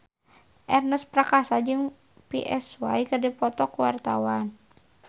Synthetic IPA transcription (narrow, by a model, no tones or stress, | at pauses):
ʔɛrnəspɾakasad͡ʒɨŋ | pḭʔɛ̰swajkɨrdɛpɔt̪ɔkuwart̪awan